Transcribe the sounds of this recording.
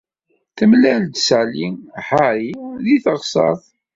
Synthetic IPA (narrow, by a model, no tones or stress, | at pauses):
θəmlæld̪saliħaɾiðiθəʁsɑ̰ɾˤðˤ